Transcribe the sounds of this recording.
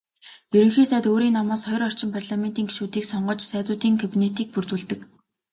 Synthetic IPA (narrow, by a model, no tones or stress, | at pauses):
jɵɾɵ̆ŋxeːsæːt̪oːɾiːnamaːsχɔj̆rɔr̥t͡ɕɪ̆mpʰarɮament̪iːŋɡeʃuːt̪iːksɔɴɢɞ̆t͡ɕsæːt͡sʊːt̪iːŋkʰapinet̪iːk̚purt̪uːɮt̪ɘ̆k